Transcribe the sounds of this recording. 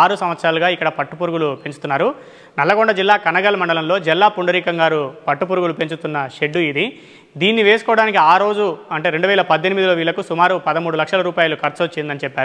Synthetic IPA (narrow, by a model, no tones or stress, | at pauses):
aːɾusɐmʋɐt̪sɾaːluɡaːikːɐɽɐpɐʈːupuɾuɡulupe̞ɲt͡ʃut̪unːaːɾu | nɐlːɐɡoɳɖɐd͡ʒilːaːkɐnɐɡɐlmɐɳɖɐlɐmlo̞ːd͡ʒɛlːaːpuɳɖɐɾiːkɐŋɡaːɾupɐʈːupuːɾuɡulupe̞ɲt͡ʃut̪unːɐʃe̞ɖːuid̪i | d̪iːnːiʋeːsukɔːɽaːnikiaːɾo̞ːd͡ʒuɐɳʈe̞ːɾeɳɖuʋɛːlɐpɐd̪ʱːenimid̪iloːʋiːɭlːɐkusumaːɾupɐd̪ɐmuːɽulɐkʂɐlɐɾuːpaːjɐlukʰɐɾt͡ʃɐt͡ʃːend̪ɐnit͡ʃɛpːaːɾu